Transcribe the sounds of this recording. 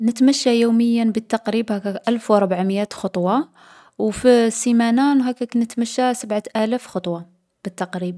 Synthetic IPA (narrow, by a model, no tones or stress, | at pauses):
nət̪mæʃːajuːməjːabət̪ːɑqɾibhækæʔælfwɾˤbʕməjæt̪xɑt̪ˤwɑ | wfisimænænɦækːæknət̪mæʃːasabʕaʔælæfxɑt̪ˤwɑ | b̥ət̪ːɑqɾib